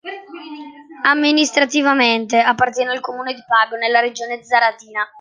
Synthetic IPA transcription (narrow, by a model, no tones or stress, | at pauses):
amːinist̪ɾat̪ivament̪eapːart̪jɛːnailkomuːned̪ipaːɡonelːaɾed͡ʒoːned̪zaɾat̪iːna